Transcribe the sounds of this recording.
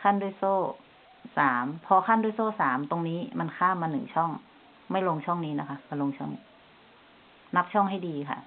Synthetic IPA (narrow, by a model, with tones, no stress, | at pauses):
kʰa˥˩˨ndu˧˥˩jsoː˥˩ | saː˩˦mpʰɔː˧kʰa˥˨ndu˥˨jsoː˥˩saː˩˦mt̪o˧ŋniː˦˥ma˧nkʰaː˥˩˨mːaː˧nɯ̰˨˩˦ŋt͡ɕʰɔ˥˩ŋ | ma˥˩jlo˧ŋt͡ɕʰɔ˥˩ŋniː˦˥na˦˥kʰa˦˥ka˧lo˧ŋt͡ɕʰɔ˥˩ŋniː˦ | na˦˥p̚t͡ɕʰɔ˥˩ŋɦa˥˩jdiː˧kʰa̰˧˥˩